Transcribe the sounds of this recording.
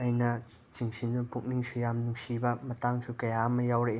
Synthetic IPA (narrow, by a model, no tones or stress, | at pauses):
ɐjnɐ | t͡ʃiŋsindupuʔ̚niŋsʰujamnuŋsibɐmɐtaŋsʰukɐjamɐjawɾeʔ